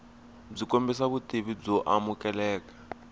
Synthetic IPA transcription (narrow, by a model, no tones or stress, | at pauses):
b͡ʐikombisaβutiβib͡ʐɔʔamukɛlɛːkḁ